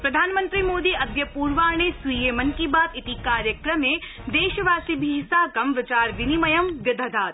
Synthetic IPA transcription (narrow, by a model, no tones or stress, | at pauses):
pɾɐd̪ʱaːnmɐ̃nt̪ɾimoːd̪iːʔɐd̪jɐpuːɾʋaːɳ̃esʋijeːmɐnkibaːt̪ɪt̪ikaːɾjəkɾɐmẽː | d̪eːʃɐʋaːsibʱiɦɪsaːkɐmʋɪt͡ʃaːɾʋɪnimɐjɐmɡɐd̪ʱɐd̪ʱaːt̪